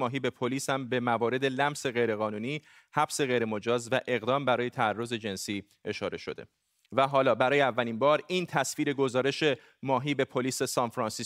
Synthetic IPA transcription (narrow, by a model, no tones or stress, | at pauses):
ɒːɦiːbe̞pʰoliːshæmbe̞mævɒːɾe̞d̪e̞læmse̞ɣe̞jɾe̞ɣɒːnuːniː | hæbse̞ɣe̞jɾe̞mo̞d͡ʒɒːzvæʔe̞ɣd̪ɒːmbæɾɒːje̞t̪ʰæærːo̞ze̞d͡ʒe̞nsiː | e̞ʃɒːɾe̞ʃo̞d̪e̞̰ | væɦɒːlɒːbæɾɒːjeævːælinbɒːɾiːnt̪ʰæsviːɾe̞ɡo̞zɒːɾe̞ʃe̞ | mɒːɦiːbe̞pʰoliːse̞sɒːnfɾɒnsi